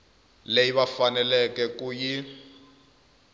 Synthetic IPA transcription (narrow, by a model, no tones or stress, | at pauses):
lejiβafanɛlɛkɛkuji